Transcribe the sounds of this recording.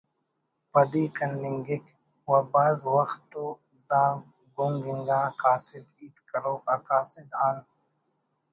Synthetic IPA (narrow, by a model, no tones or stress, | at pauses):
pɐd̪iːkɐndɪŋɡɪk | wabaːzwɐxt̪ːo | d̪ãː | ɡuŋɡɪŋɡãːkaːsɪd̪iːt̪kɐɾoːkakaːsɪd̪aːn